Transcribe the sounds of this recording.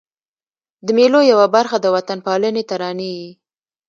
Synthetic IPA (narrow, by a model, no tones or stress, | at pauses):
d̪əmelojawabaɾxad̪əwat̪anpɑlənet̪aɾɑnewi